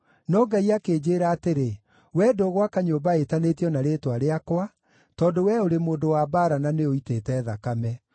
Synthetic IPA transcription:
nɔːŋɡaiakeːd͡ʑeːɾaːteɾe | wɛdoːɣwakaɲoːbaetanetijɔnaɾeːtwaɾeakwa | tɔːdowɛoɾemoːdowabaːɾananeoitetɛːðakamɛ

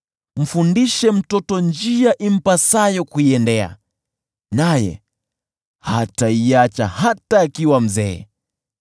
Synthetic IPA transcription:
m̩fundiʃɛm̩tɔtɔɲd͡ʒiaʔim̩pasajɔkuiɛndɛa̰ | najɛ̰ | hataiat͡ʃahataːkiwam̩zɛ̰ː

